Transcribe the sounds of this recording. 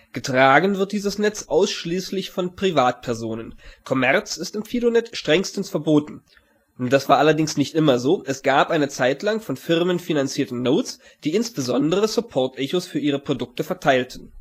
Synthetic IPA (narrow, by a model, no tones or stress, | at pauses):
ɡ̥ətʁ̥aːɡn̩vɪɐt̚d̥iːzəsnɛt͡sʔaʊsʃliːslɪçfɔnpʁ̥ivaːt̚pʰɛɐzoːnənkʰɔmɛɐt͡sɪstɪmfiːdonɛtʃtʁ̥ɛŋstən̩sfɛɐboːtn̩ | d̥asv̥aːɐʔalɐdɪŋsnɪçtʔɪmɐzoːʔɛsɡ̥aːpʔaɪnət͡saɪtlaŋfɔnfɪʁmənfinant͡siːɐtn̩ːoːt͡s | d̥iːɪnsb̥əzɔndəʁ̞əsʊpʰɔɐtʔɛçosfyːɐʔiːʁ̞əpʁ̥odʊk̚təfɛɐtʰaɪltn̩